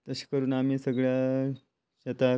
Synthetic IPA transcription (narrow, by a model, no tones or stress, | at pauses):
t̪əɕi̥kəɾuːnamiːsəɡɭja | ɕət̪a